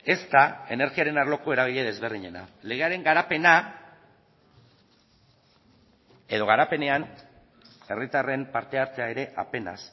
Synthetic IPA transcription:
e̞st̪ae̞ne̞ɾɣiaɾe̞naɾlo̞ko̞e̞ɾaɣ̞iʎeð̞e̞zβe̞rðiɲe̞na̰le̞ɣ̞e̞aɾe̞ŋɡaɾape̞na | e̞ðo̞ɣaɾape̞ne̞an | e̞rit̪are̞mpaɾt̪e̞aɾt͡s̪eaeɾe̞ʔa̰pe̞na̰s

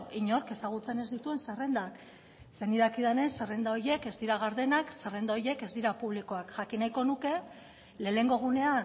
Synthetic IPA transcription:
iɲo̞ɾke̞saɣut͡se̞ne̞zd̪it̪ue̞nsere̞nd̪ak | se̞niðakið̞ene̞sere̞nd̪aojje̞ke̞zd̪iɾaɣ̞aɾðe̞naksere̞nd̪aoje̞ke̞zd̪iɾapuβ̞liko̞akʝakinajko̞nuke̞ | le̞ːne̞ŋɡo̞ɣ̞une̞a

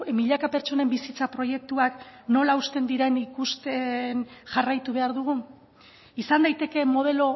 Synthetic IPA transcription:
miʎakape̞ɾt͡ʃo̞ne̞mbisit͡sapɾo̞je̞k̚t̪uakno̞laust̪e̞nd̪iɾe̞nikust̪e̞nʝarajt̪uβ̞e̞aɾðuɣ̞u | isand̪ajt̪e̞ke̞mo̞ð̞e̞lo̞

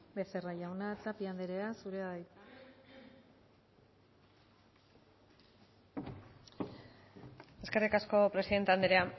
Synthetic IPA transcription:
beseraʝawnat͡sapiand̪eɾeasuɾeaβajt̪ | e̞ske̞rikasko̞pɾe̞siðe̞nt̪eand̪eɾea

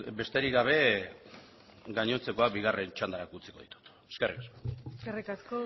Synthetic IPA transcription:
be̞st̪e̞ɾiɡaβ̞e̞ | ɡaɲo̞nt͡se̞ko̞akbiɣ̞are̞nt͡ʃand̪aɾakut͡si̥ko̞ðit̪u̥t̪ | eskerikasko̥skerikasko

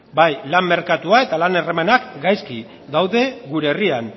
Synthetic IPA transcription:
bajlamːe̞ɾkat̪uae̞t̪alane̞remanakɡajski | d̪awðe̞ɡuɾe̞ːrian

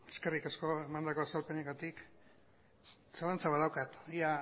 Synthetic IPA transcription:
eskerikasko̞e̞mand̪ako̞asalpeneɣat̪ik | salant͡saβaðawkat̪ia

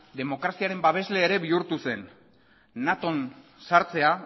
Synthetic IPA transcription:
d̪e̞mo̞kɾasiaɾe̞mbaβ̞e̞zle̞ːɾe̞βiuɾt̪use̞nː | at̪o̞nsaɾt͡se̞a

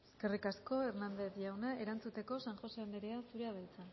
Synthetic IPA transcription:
eske̞rikasko̞eɾnand̪e̞θʝawneʔeɾant͡sut̪e̞ko̞saŋʝo̞seaneɾeasuɾeað̞ajt͡san

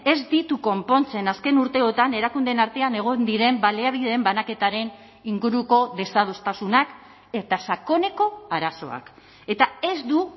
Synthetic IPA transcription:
e̞zd̪it̪uko̞mpo̞nt͡se̞naske̞nuɾt̪e̞ot̪ane̞ɾakund̪e̞naɾt̪e̞ane̞ɣ̞o̞nd̪iɾe̞mbaleaβ̞iðeːmbanake̞t̪aɾe̞n | iŋɡuɾuko̞ðe̞sað̞ost̪asunak | e̞t̪asako̞ne̞ko̞aɾaso̞̰a̰k | e̞t̪ae̞zd̪u

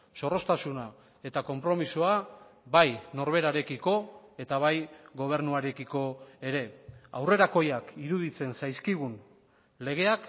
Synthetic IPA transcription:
so̞ro̞st̪asuna | e̞t̪ako̞mpɾo̞misoabajno̞ɾβ̞e̞ɾaɾe̞kiko̞e̞t̪aβ̞ajɡo̞β̞e̞ɾnuaɾe̞kiko̞e̞ɾe̞a̰wre̞ɾako̞jakiɾuðit͡se̞nsajskiɣ̞un | le̞ɣ̞e̞ak

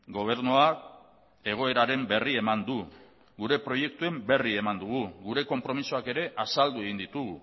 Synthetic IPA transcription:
ɡo̞β̞e̞ɾnoak | e̞ɣ̞o̞e̞ɾaɾe̞mbe̞rie̞mand̪u | ɡuɾe̞pɾo̞je̞k̚t̪ue̞mbe̞rie̞mand̪uɣ̞uɣuɾe̞ko̞mpɾo̞misoake̞ɾe̞ʔasald̪ue̞ɣ̞ind̪it̪uɣu

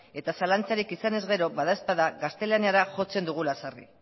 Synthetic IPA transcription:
e̞t̪asalant͡saɾikisane̞zɣe̞ɾo̞βaðaspaðaɣast̪e̞laniaɾaʝo̞t͡se̞nd̪uɣ̞ulasarḭ

